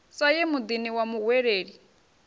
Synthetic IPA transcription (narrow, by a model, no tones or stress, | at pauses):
sajɛmud̪iniwamuɣwɛɺeːɺi